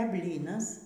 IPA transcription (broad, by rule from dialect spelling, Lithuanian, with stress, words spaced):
ɛ ˈbʲlʲiːnɐs